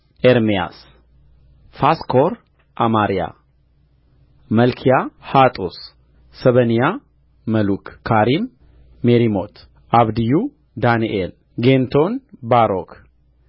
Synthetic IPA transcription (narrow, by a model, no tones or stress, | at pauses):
ʔeɾmija̰s | faskʰoɾ | ʔamaɾija̰ | mɐlkʰijahat̪ʼosː | ɐβənija | mɐlukʰkʰːaɾimː | eɾimot̪ʰ | ʔaβd̪iju | d̪aniʔel | ɡent̪ʰonbaɾok